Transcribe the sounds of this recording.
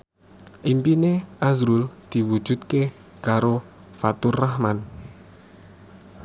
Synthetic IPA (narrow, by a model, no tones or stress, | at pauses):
ʔimpineazɾuld̪̥i̤wud̥ʒ̥ṳt̪̚ke | kaɾo | fat̪ʊrahman